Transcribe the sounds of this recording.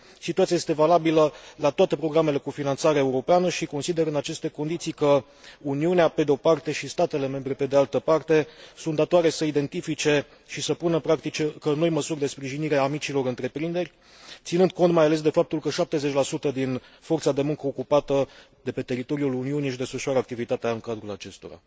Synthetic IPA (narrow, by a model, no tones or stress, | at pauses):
sit̪uat̪sijajest̪e̞valabiləlat̪oat̪e̞pɾo̞ɡɾame̞le̞kufinant̪saɾeeuɾo̞peanəʃiko̞nsid̪e̞ɾɨnat͡ʃe̞st̪e̞ko̞nd̪it̪sijkə | uniuneape̞d̪eo̞part̪e̞ʃist̪at̪e̞le̞me̞mbɾe̞pe̞d̪ealt̪əpart̪e̞sunt̪d̪at̪oaɾe̞səid̪e̞nt̪ifit͡ʃe̞ | ʃisəpunəpɾakt̪it͡ʃekəno̞jməsurʲd̪e̞spɾiʒiniɾe̞amit͡ʃilo̞ɾɨnt̪ɾe̞pɾind̪e̞rʲ | t̪sinɨnd̪̚ko̞nt̪majale̞s̬d̪e̞fap̚t̪ulkəʃap̚t̪e̞ze̞t͡ʃʲlasut̪əd̪info̞rt̪sad̪e̞muŋkəokupat̪ə | d̪e̞pe̞t̪e̞ɾit̪o̞ɾiuluniuniʃid̪e̞sfəʃuaɾəakt̪ivit̪at̪eaɨŋkad̪ɾulat͡ʃe̞st̪o̞̰ɾa̰